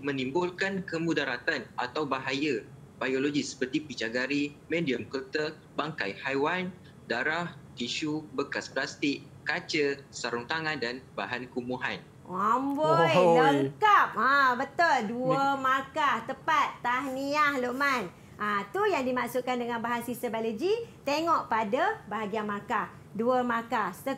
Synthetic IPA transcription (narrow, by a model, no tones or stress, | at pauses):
mə̃nimbʊlkankəmudaɾat̪anat̪awbaɦaja | bajoloɡisə̥pərt̪ipit͡ʃaɡaɾimẽdiəmkəlt̪ə | baŋka̰jhajwan | daɾahk̪iʃubəkasplast̪ɪk̚ | kat͡ʃəsaɾuŋt̪aŋandanbaɦankumuɦa̰n | amboləŋkap̚abət̪olduəmakaht̪əpat̪ːahniahloʔman | ʔat̪ujaŋdimaʔsuʔkːandəŋãnbaɦansisəbaləd͡ʒit̪eŋɔʔpadabaɦaɡiamakah | duəmakahst̪ə